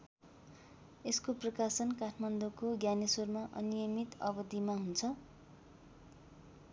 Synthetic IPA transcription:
eskoprʌkasʌnkaʈʰmand̪okoɡjanesormaʔʌ̰nijʌmit̪ʌbʌd̪imaɦunt͡sʰʌ

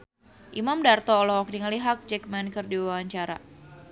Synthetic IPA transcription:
ʔimamdart̪ɔːlɔɔk̚diŋəliɦak̚d͡ʒɛk̚mɛnkɨrdiwawaɲt͡ʃaɾa̰

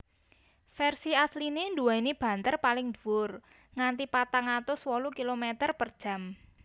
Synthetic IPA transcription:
fɛrsiaslinend̪uaineb̥a̤nt̪ərpalɪŋd̪uʊr | ŋant̪ipat̪aŋat̪ʊswolukilomɛt̪ərpərd̥ʒ̥ä̤m

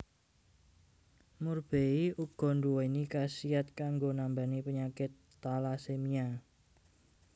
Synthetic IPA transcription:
murb̥eiʔuɡ̥ɔ̤nduwɔinikasiat̪̚kaŋɡonambanipəɲakɪt̪ːalasemia

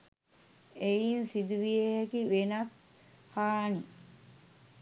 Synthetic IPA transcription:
ejinsid̪uʋieɦekiʋenɐt̪ | haːni

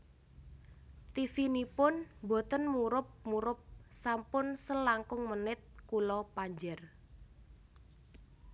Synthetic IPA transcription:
t̪ifinipʊnbɔ̤t̪ənmuɾʊp̚muɾʊp̚sampʊnsəlaŋkʊŋmənɪt̪̚kulɔpaɲd͡ʒər

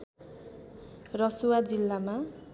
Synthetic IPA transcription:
rʌsuwad͡zilːama

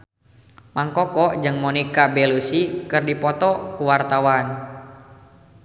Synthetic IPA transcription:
maŋkɔkɔʔd͡ʒɨŋmɔnikabɛlusikɨrdipɔt̪ɔkuwart̪awan

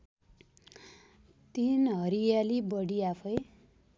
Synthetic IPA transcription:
t̪inɦʌɾijalibʌɽiapʰʌj

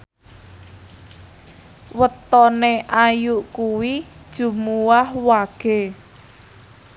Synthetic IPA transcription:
wət̪ɔneʔajuʔkuwid̥ʒ̥ṳmuwahwaɡ̥e̤

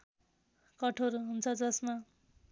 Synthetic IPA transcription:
kʌʈʰoɾɦunt͡sʰʌd͡zʌsma

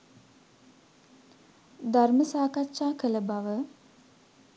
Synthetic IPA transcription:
d̪arməsaːkatːʃaːkələbaʋə

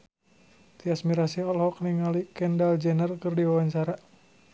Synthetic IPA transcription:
t̪iasmiɾasiɔlhɔkniŋalikɛndald͡ʒɛnərkɨrdiwawaɲt͡ʃaɾa

